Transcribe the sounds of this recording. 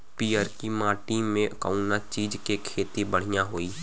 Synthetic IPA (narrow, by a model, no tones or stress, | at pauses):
piːəɾkimaːʈimẽka̰ːʊnat͡ʃiːd͡ʒkekʰeːt̪ibəɽ̤ijãɦoːiː